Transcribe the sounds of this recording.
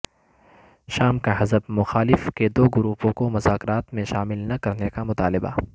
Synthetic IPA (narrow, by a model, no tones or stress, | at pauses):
ʃaːmkaɦɐzəbmʊxaːlɪfked̪oːɡʊɾuːpõkomʊzaːkɾaːt̪mẽʃaːmɪlnɐkɐɾnekamʊt̪aːlɪba̰